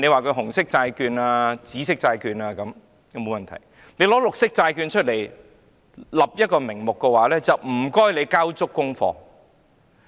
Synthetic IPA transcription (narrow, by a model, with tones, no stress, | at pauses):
ne˨˧jwaː˨˩kʰɵ˨˧ɥɦʊ˨˩ŋsɪ˥k̚t͡saː˧jkyː˧naː˧t͡siː˨˥sɪ˥k̚t͡saː˧jkyː˧naː˧kɐ˨˥m | ɐ˨˧mo˨wmɐ˨nt̪ʰɐ̰˨˩j | ne˨˧jlɔː˨˥lʊ˨k̚sɪ˥k̚t͡saː˧jkyː˧nt͡ʃʰɵ˥t̚le˨˩j | lɐ˨p̚jɐ˥t̚kɔː˧mɪ˨˩ŋmʊ˨kːɛ˧waː˨˥lɛː˥t͡sɐ˨wm̩˨˩kɔː˥jle˨˧jkaː˥wt͡sʊ˥kːʊ˥ŋfɔ̰ː˧